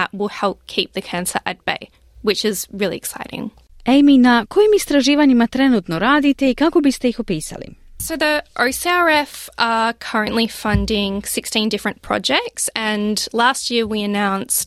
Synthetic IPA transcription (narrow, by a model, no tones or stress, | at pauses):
ə̰ʔ̚wɪlˠhɛlˠp̚kʰip̚ðɨkʰæ̃nsə̰˞ʔɛt̚b̥ḛɪ | wɪt͡ʃɪzɹɪlˠḭɨksaɪɾɪ̰̃ŋ | ejminako̞jimist̪ɾaʒiːʋaɲimat̪ɾenuːt̪no̞ɾaːd̪it̪e̞ikako̞bist̪e̞jixo̞piːsa̰lḭsoʊðiʔoʊsiɑɹɛfəkʰʌ˞ɨ̃nʔlifʌ̃ndɪ̃ŋsɪkstĩndɪfɹɨ̃npʰɹ̥ɑ̰d͡ʒɛk̚tsɨ̃nlæst̚jɪɹwiɨnãʊ̃nst